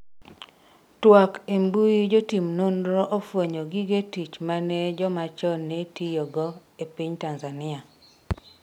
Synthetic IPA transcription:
twakembujid͡ʒotimnondɾɔʔofwoɲoɡiɡetit͡ʃmanɛd͡ʒɔmat͡ʃɔnːetijɔɡɔ | epiɲtanzanɪa

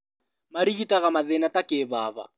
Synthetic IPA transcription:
maɾiɣitaɣamaðɛnatakeːβaβa̰

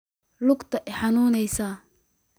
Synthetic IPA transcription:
lʊɡt̪ʰɐʔɛħɑnuːnɛjsa

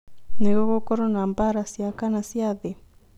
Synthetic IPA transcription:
neɣɔkɔkɔɾɔnambaɾasjakanasjaðe

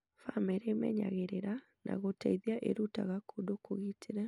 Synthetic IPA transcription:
famɛɾemɛɲaɣeɾeɾa | nʔa̰ɣotɛiðiaʔḛɾuta̰ɣakodokoɣitʰeɾɛ

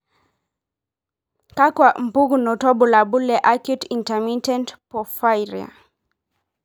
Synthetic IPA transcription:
kakwam̩puɡunɔtɔbulabulɛʔakjutintɛmitɛntpɔfajɾia̰

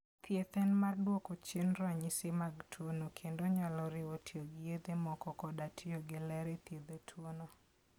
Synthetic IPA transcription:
p̪jet̪ɛnmardwokot͡ʃenɾaɲɪsɪmaɡtʰwonokʰendoɲalɔɾɪotioɡɪjed̪emɔkɔkɔdatʰioɡɪlɛɾɛt̪jed̪etʰwono

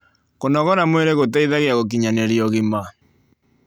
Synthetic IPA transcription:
konɔɣɔnamweɾeɣotɛiðaɣeaɣok̬iɲaneɾiɔɣema

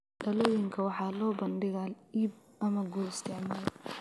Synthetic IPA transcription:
ɖɐlɔːjɪŋkʰɐwɑħɑːlɔːbɐnɖɪɣaːliːb̚ | ɐmɐɡɔlɪst̪ʰɪʕmaːl

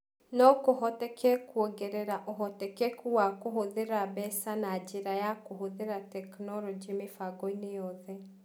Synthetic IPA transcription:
nɔkoɦɔtɛkɛkwoɡɛɾɛɾaʔoɦɔtɛkɛkuwakoɦoðeɾabɛsanad͡ʒeɾajakoɦoðeɾatɛknɔɾɔd͡ʒimefaɡɔinejɔðɛ

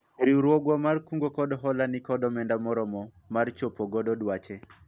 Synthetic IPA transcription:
eɾiuɾwɔɡwɔmarkuŋɡokɔdɔɦɔlanɪkɔdɔmɛndamɔɾɔmɔ | mart͡ʃopɔɡɔdɔdwat͡ʃɛ

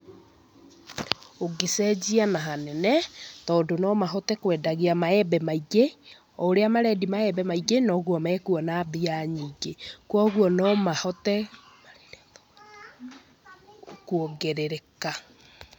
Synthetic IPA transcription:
oɡesɛd͡ʑianaɦanɛnɛtɔːndonɔmaɦɔtɛkwɛːdaɣeamaɛbɛmaiɡe | ɔoɾeamaɾɛdimaɛbɛmaiɡenɔɣwɔmɛkuɔnabiaɲiːɡekwɔɣuɔnɔmahɔtɛ | kuoɡeɾeɾeka

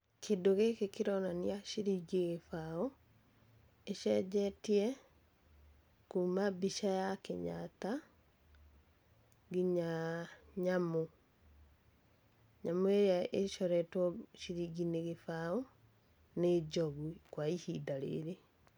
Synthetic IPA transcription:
kʰedoɣekekeɾɔnaniaʃiɾiɡiɣefao | eʃɛd͡ʒɛtiɛ | kumabiʃajakḛɲa̰ta | ɡiɲaɲamo | ɲamoeɾjaeʃɔɾɛtwɔʃiɾiɡineɣefao | ned͡ʒɔɣwikwaihidaɾḛɾe

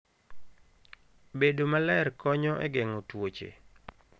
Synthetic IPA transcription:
bedomalɛrkɔɲɔʔɛɡɛŋɔtwot͡ʃḛ

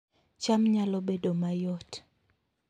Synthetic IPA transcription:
t͡ʃamɲalɔbedomajɔt

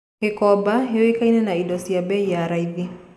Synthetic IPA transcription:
hɛkɔbaɦɛɔikainɛnaidɔsiabɛijaɾaiði

